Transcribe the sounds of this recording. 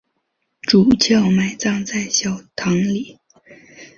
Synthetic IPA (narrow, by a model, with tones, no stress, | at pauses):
ʈ͡ʂu˨˩t͡ɕʰjɑ˥˩ʊma˨˩ɪt͡sɑ˥˧ŋt͡sa˥˩ɪɕjɑ˨˩ʊt̪ʰɑ˧˥ŋli˨˩˦